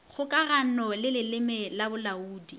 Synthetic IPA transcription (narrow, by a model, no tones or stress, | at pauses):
χʰʊkʼaranɔlɪlɪlɪmɛlabʊlauːdi